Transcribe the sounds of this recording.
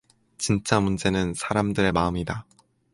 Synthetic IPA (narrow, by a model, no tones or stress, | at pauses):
t͡ɕint͡ɕ͈amund͡ʑe̞nɯnsʰaɾamdɯɾe̞maɯmida